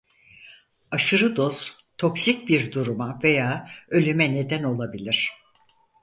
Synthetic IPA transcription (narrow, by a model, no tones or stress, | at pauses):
aʃɯɾɯd̪o̞z̥ | t̪ʰo̞ksic̚biɾd̪uɾumave̞jaːø̞lʲymɛne̞d̪æno̞lˠabilʲiɾ̝̥